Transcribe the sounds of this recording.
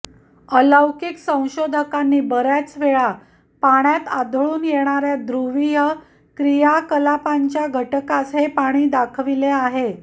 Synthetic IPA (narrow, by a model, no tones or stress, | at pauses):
ələwkiksə̃w̃ɕod̪ʱəkanːiːbəɾjat͡sʋeɭa | paɽ̃jat̪ad̪ʱəɭuːnjeɽ̃aɾjad̪ɾuʋijə | kɾijakəlapaɲt͡ɕjaɡʱəʈəkasɦepaɽ̃iːd̪akʰʋileaɦe